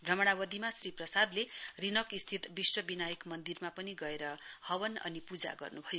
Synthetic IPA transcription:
bʱrʌmʌɽ̃awʌd̪imasriprʌsad̪lerinʌkist̪ʰit̪biswʌbinajʌkmʌnd̪irmapʌniɡʌeɾʌhʌwʌnʌ̰nipud͡za̰ɡʌ̰rnubʱʌjo

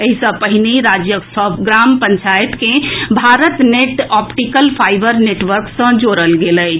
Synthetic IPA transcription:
eɦisə̃pəɦineɾad͡ʒjəsɔpɡɾampəɲt͡ʃajt̪kẽbʱaɾət̪neʈɔpʈikəlpʰajbəɾneʈʋəɾksə̃d͡ʒoɾəlɡeləj

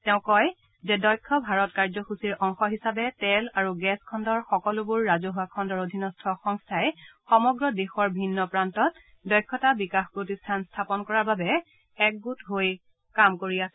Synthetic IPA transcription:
tɛʊ̃kɔj | zɛdɔjkʰːɔbʱaɹɔtkaɹzɔxusiɹʔɔŋxɔɦisabɛtɛlaɹuɡɛskʰɔndɔɹxɔkɔlʊbuɹːazoɦuakʰɔndɔɹodʱinɔstʰɔxɔŋstʰaɛxɔmɔɡɹɔdexɔɹbʱinːɔpɹantɔt | dɔjkʰːɔtabikaxpɹotistʰanstʰapɔnkɔɹaɹbabɛː | k̚ɡutɦoj | kamkoɹiasɛ

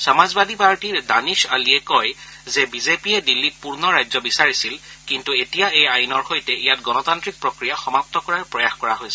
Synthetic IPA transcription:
samazbad̪ʱipaɹtiɹdanisaliɛkɔj | zebizepiɛdilːit̚puɹnɔɹajzɔbisaɹisilkintuetijaejajnɔɹxojtɛʔijatɡɔnɔtantɹik̚pɹokɹijaxɔmap̚tɔkɔɹaɹpɹɔjaxkɔɹaɦojsɛ

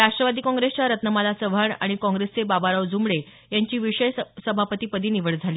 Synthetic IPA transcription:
ɾaʂʈɾəʋad̪iːkɔ̃ŋɡɾest͡ɕaɾət̪nəmalasəʋʱəɳa̰ɽ̃ikɔ̃ŋɡɾest͡sebabaɾaʋd͡zumɽe | jaɲt͡ɕiːʋiɕəjsəbʱapət̪iːpəd̪iːniʋəɭd͡zʱaliː

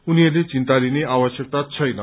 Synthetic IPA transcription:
uniʌrlet͡sint̪alineabʌsjʌk̚t̪at͡sʰʌjnʌ

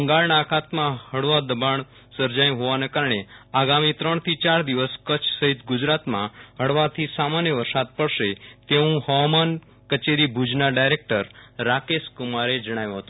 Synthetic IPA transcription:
əŋɡaɭɳakʰat̪mãɦəɽʋad̪əbaɳ̃ | səɾd͡ʒajũɦoʋanekaɾəɳ̃eaɡamit̪ɾəɳ̃t̪ʰit͡ʃaɾd̪iʋəskət͡ʃʰsəɦit̪ɡʊd͡ʒɾat̪mã̰ɦəɽʋat̪ʰisamanjəʋəɾsad̪̚pəɽʃet̪eũhɔman | kət͡ʃeɾibʱud͡ʒnaɖajɾek̚ʈəɾːakeskʊmaɾed͡ʒəɽ̃ajũɦət̪ũ

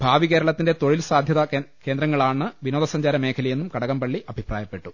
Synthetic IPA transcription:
bʱaːʋike̞ːɾɐɭɐt̪ːinde̞t̪o̞ɻilsaːd̪ʱjɐðɐke̞ːnd̪ɾɐŋːɐɭaːɳɨʋino̞ːd̪ɐsɐɲd͡ʑaːɾɐmeːkʰɐlɐjenːumkɐɽɐkːɐmpɐɭːiʔɐbʱipraːjɐpːe̞ʈːu

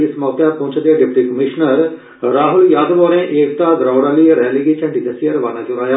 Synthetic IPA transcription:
ɪsmɔːt̪aːpõːt͡ʃʰd̪ejaːɖɪp̚ʈiːkəmɪʃnəɾ | ɾaːɦʊljaːd̪ʋoːɾẽːʔeːkt̪aːd̪ɾaːʊɽaːliːɾɛːliɡeːt͡ʃʰə̃ɳʈikəsijəɾʋaːnaːd͡ʒʊɾaːjaː

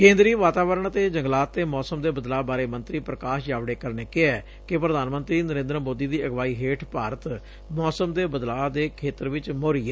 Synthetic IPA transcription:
kẽːnd̪ɾiːʋaːt̪aːʋəɾəɳt̪eːd͡ʒəŋɡlaːt̪ːeːmɔːsəmd̪eːbəd̪laːbaːɾeːmənt̪ɾiːpɾəkaːʃjaːʋɽeːkəɾneːkɪɛː | kɪpɾəd̪aːnmə̃nt̪ɾiːnəɾẽːnd̪ɾəmoːd̪iːd̪iːəɡʋaːiːɦeːʈʰpaːɾət̪ | mɔːsəmd̪eːbəd̪laːd̪eːkʰeːt̪əɾʋɪt͡ʃmoːɾiːɛː

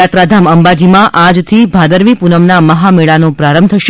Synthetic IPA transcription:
at̪ɾad̪ʱaməmbad͡ʒimãʔad͡ʒt̪ʰibʱad̪əɾʋipunəʋnaməɦameɭanopɾaɾəmbt̪ʰəʃ

